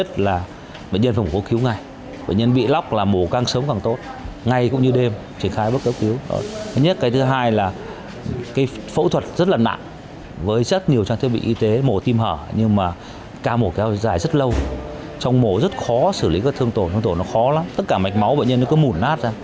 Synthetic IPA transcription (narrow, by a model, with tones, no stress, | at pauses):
ə˦˥t̚laː˨˩ | ɓḛ˧˨ɲə˧nfaː˧˩mu˨˩ko˨˦xi˨˦wŋa˨˩j | ɓḛ˧˨ɲə˧nɓḭ˧˨la˦˥wk͡p̚laː˨˩mo˨˩kaː˧˩ŋsəː˨˦wŋ͡mkaː˨˩ŋt̪o˦˥t̚ŋa˨˩jkʊ̰˧˥ŋ͡mɲɨ˧ɗe˧m | t͡ɕi˧˩ənxaː˧jɓə˦˥t̚kɛ˨˦˥wki˨˦wə̰˧˩t̪ʰə˨˦ɲə˦˥t̚kaː˨˦jt̪ʰɨ˨˦ɦaː˧jlaː˨˩ | kaː˨˦jfə̰˧˥wt̪ʰwə˨˩t̚zə˦˥t̚laː˨˩na̰ː˧˨ŋ | vəː˨˦jzə˦˥t̚ɲi˨˩əwt͡ɕaː˧t̪̚ʰɓḭ˧˨ʔi˧t̪e˨˦mo˨˩t̪i˧mhəː˧˩ɲɨ˧ŋmaː˨˩ | kaː˧mo˨˩kɛ˨˦wzaː˧˩jzə˦˥t̚lə˧w | t͡ɕɔ˧wŋ͡mmo˨˩zə˦˥t̚xɔ˨˦sɨ˧˩li˨˦kaː˨˦˩t̪ʰɨ˧əŋt̪o˧˩t̪ʰːt̪o˧˩nɔ˨˦xɔ˨˦la˨˦mt̪ə˦˥t̚kaː˧˩ma˨˩jk̟̚ma˨˦wɓḛ˧˨ɲə˧nː˨˦kɔ˨˦mu˧˩nːaː˦˥t̚zaː˧ŋ